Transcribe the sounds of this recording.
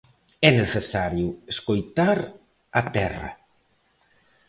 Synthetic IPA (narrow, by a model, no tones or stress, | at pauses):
ɛneθesaɾjueskojt̪aɾ | at̪ɛ̰ra̰